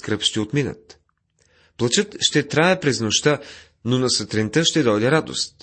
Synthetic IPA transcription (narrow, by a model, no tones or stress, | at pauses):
kɾəpʃt̪ɛot̪minə̰t̪ | plˠɐt͡ʃɤt̪ʃt̪ɛt̪ɾajəpɾɛznoʃt̪a | nonɐsət̪ɾɛnt̪əʃt̪ɛd̪ɔjd̪ɛɾad̪o̰st̪